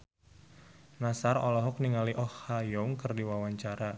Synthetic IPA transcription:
nasarɔlɔɦʊk̚niŋaliʔɔhːajɔŋkərdiwawaɲt͡ʃaɾa

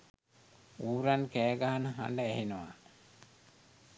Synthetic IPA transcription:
uːɾankæːɡaɦanəɦa̰nəæɦinuʋa̰

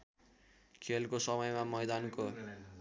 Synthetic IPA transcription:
kʰelkosʌmʌjmamʌjd̪anko

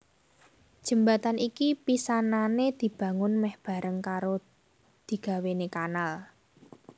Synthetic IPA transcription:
d̥ʒ̥ə̤mbat̪anikipisananed̪̥i̤b̥ä̤ŋʊnmɛhb̥a̤ɾəŋkaɾo | d̪̥i̤ɡ̥a̤wenekanal

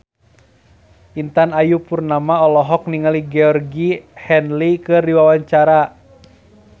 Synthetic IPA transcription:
ʔint̪anajupurnamaɔlɔɦɔk̚niŋaliɡɛɔrɡihɛnlikɨrdiwawaɲt͡ʃaɾa

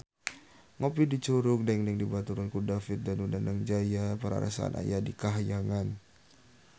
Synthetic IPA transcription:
ŋopidit͡ʃuɾʊk̚daŋdɛŋdibat̪uɾankudafɪt̪̚danundandaŋd͡ʒajapəɾa̰ɾa̰saa̰nʔa̰jadikaɦajaŋan

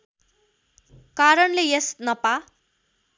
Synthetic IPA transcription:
kaɾʌnlejesnʌpa

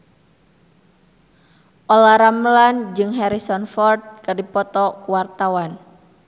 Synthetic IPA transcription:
ʔolaɾaməland͡ʒɨŋɦɛɾisɔnfɔrd̪̚kərdipɔt̪ɔkuwart̪awan

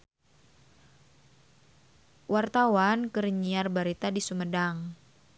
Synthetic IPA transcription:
wart̪awankəɾiɲiarbaɾit̪adisumədaŋ

